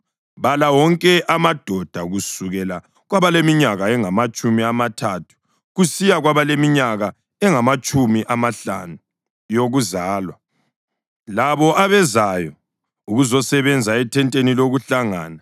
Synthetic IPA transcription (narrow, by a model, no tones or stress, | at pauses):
βalawɔŋkʼɛʔamad̥ʱɔd̥ʱaɣusuɣɛla | ɣwaβalemiɲaɣaɛŋamat͡ʃʼumiamatʰatʰu̥ | ɣusijaɣwaβalemiɲaɣa | ɛŋamat͡ʃʼumiʔamaɬa̰nu | joɣuzaːlwa | laβɔʔaβɛzajɔ | uɣuzɔsɛβɛnd͡zʱaɛtʰɛntʼeniloɣuɬaŋaːna